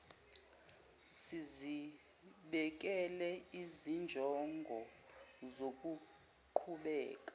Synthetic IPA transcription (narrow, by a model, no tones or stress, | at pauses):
sizi | ɓɛk̬ʼɛlɛizind͡ʒʱɔŋɡʱɔzok̬ʼu | ǃʰuɓɛ̰ːk̬ʼḁ